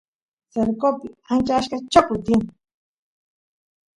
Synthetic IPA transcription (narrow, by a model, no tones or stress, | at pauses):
seɾkopɪant͡ʃaʃkat͡ʃokʊt̪iŋ